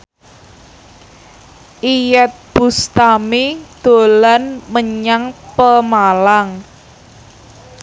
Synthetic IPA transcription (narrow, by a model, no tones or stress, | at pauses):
ʔijɛt̪̚b̥ṳst̪amid̪̥o̤lanməɲaŋpəmalaŋ